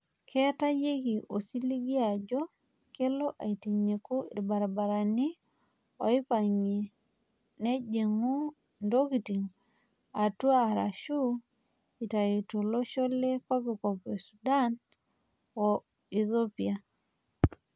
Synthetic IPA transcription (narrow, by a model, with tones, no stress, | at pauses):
kʰɛ˦ta˦je˦ki˨ʔo˨si˦li˦ɡi˦a˨d͡ʒɔ˦ | ke˦lɔ˦ʔa̰˨i˨ti˨ɲe˨ku˦ḭ˨ɾba˨ɾa˨ba˨ɾa˨ni˦ | o˨i˦pa˨ɲe˨ | ne˦d͡ʒe˨ŋu˦ | ndo˦ki˨ti˨ŋ | a˨tu˦a˦˨ɾa̰˨ʃu˦ | i˨ta˨i˨to˨lo˦ʃo˦le˦ko˦ki˨ko˨pe˨su˨da˦n | o˨ | i˨ðo˦pia˨